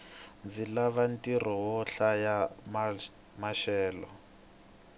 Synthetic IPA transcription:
nd͡zilaβantʼiɾɔwɔɬajam | maʃɛːlɔ

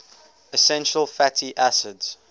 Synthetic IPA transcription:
əsɛ̃nʃəlˠfætʰiʔæsɪdz̥

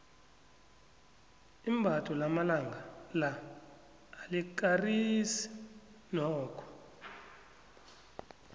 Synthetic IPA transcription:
imbʱatʰʼɔlamalaŋɡʱalaː | lik̬arisi̥ | nɔːkʰɔ̥

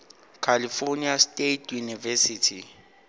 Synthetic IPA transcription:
kʰalifoniastʼetʰjunivɛsitʰi

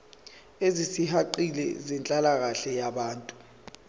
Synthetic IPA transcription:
ezisiɦaǃilɛ̰zɛnt͡ɬʼalaɣ̬aɬɛjaɓaːntʼu̥

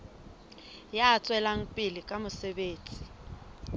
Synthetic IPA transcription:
jaːt͡sʼwɛlaŋ̩pʼɪlɪkʼamʊsɛbeːt͡sʼi̥

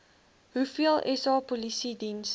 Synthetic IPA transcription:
ɦufiəlˠʔɛsɑːpolisidins

